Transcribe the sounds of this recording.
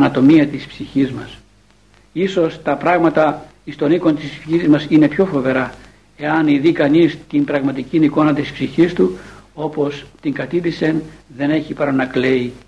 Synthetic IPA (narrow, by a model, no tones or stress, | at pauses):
ɐnɐt̪o̞miɐt̪ispsiçizmɐs | iso̞st̪ɐpɾɐɣmɐt̪ɐ | ist̪o̞niko̞nt̪ispsiçizmɐsine̞pço̞fo̞ve̞ɾɐ | e̞ɐniðikɐnist̪imbɾɐɣmɐt̪iciniko̞nɐt̪ispsiçist̪uo̞po̞st̪iŋɡɐt̪iðise̞nðe̞ne̞çipɐɾɐnɐklei